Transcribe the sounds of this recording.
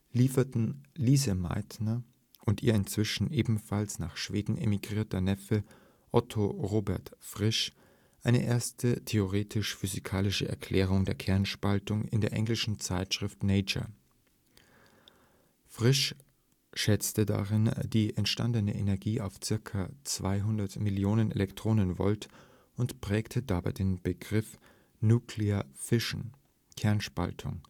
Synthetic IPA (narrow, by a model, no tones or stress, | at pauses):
liːfɐtn̩liːzəma̰ɪtnɐ | ʔʊntʔiːɐɪnt͡sv̥ɪʃn̩ʔeːbm̩falsnaːχʃv̥eːdn̩ʔḛmiɡʁiːɐtənɛfə | ʔɔtʰoʁoːbɛɐtfʁ̥ɪʃ | ʔaɪnə̰ʔeːɐstətʰeoʁ̞eːtʰɪʃfyzikʰaːlɪʃəʔɛ̰ɐkʰl̥ɛːʁ̞ʊŋdeːɐkʰɛɐnʃpaltʊŋɪ̰ndeːɐʔɛ̰ŋlɪʃn̩t͡saɪtʃʁ̥ɪftneɪt͡ʃɐ̰ | fʁ̥ɪʃ | ʃɛt͡stəda̰ʁɪndiːʔɛntʃta̰ndənəʔḛnɛɐɡiːʔaʊft͡sɪɐkʰat͡sv̥a̰ɪɦʊndɐtmɪljoːnənḛlɛktʁ̥oːnənvɔ̰lt | ʔʊntpʁ̥ɛːktʰədabaɪdeːnb̥əɡʁɪf | nuːkʰleɐfɪʃn̩ | kʰɛɐnʃpa̰ltʰʊ̰ŋ